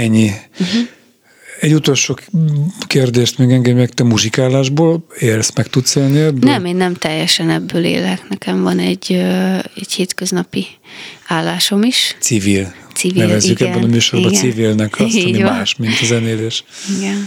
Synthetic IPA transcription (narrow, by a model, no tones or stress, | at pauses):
ɛɲːi | ɛɟːut̪o̞lʃoːkeːrd̪eːʃt̪meɡɛŋɡɛd̪mɛkt̪ɛmuʒikaːlːaːʒboːleːlsmɛkt̪ut̪seːlniɛbnɛmeːnːɛmt̪ɛjːɛʃɛnɛbːøːlḛːlɦɛknɛkɛɱvɒnɛɟːøɛɟheːt̪køznɒpi | aːlːaːʃo̞miʃt̪sivilsivinɛlvɛzːykɛbːɛnnɒmyːʃoɾbɒnsivilnɛkʰɒsmimaːʃmint̪ɒzɛneːleːʃiɡɛn